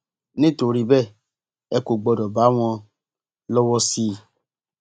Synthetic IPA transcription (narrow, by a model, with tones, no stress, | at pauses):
nĩ˦to˨˧ɾi˧bɛ˦˨ | ɛ˧ko˨ɡ͡bɔ˧dɔ˨ba˨˦w̃ɔ̃˧ | lɔ˦wɔ˦si˦˧